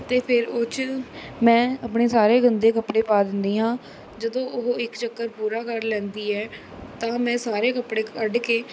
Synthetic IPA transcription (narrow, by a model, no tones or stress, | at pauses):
t̪eːpʰɪɾʊt͡ʃmɛ̃ːəpɳeːsaːɾeːɡənd̪eːkəpɽeːpaːd̪ɪnd̪iːɦãː | d͡ʒəd̪õːʔʊɦɪkt͡ʃəkːəɾpuːɾaːkəɾlɛ̃ːnd̪iːɛː | t̪ãːmɛ̃ːsaːɾeːkəpɽeːkəɖkeː